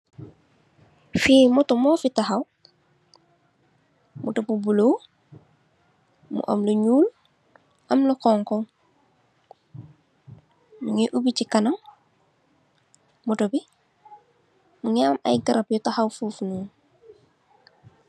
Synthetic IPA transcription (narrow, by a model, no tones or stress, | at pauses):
fiːmotumoːfitaɦaw | mṵtopubulow | mṵʔo̰mloɲuːl | ʔamlokɔːŋkɔŋ | muɲiʔubicikanaŋ | mutobi | muɲaːma̰jɡaɾapjɔtahawfufnuːŋ